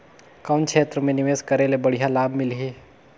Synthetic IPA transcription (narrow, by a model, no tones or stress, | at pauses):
kɔːnkt͡ʃʰʃʰeːt̪ɾəmẽnɪʋeːskɐɾelebəɽijalaːbʱmɪlɦeː